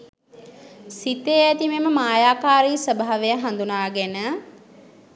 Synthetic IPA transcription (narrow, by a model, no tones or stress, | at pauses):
sit̪eæt̪imeməmaːjaːkaːɾiːsəbaɦaʋejəɦand̪unaːɡenə